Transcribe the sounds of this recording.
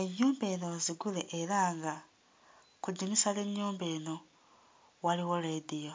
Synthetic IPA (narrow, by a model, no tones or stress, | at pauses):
e̞ɲːuːmbe̞ːno̞ziɡuleʔeɾaːŋɡa | kuɟimisale̞ɲːuːmbe̞ːno̞ | waliwo̞ɾedijo̞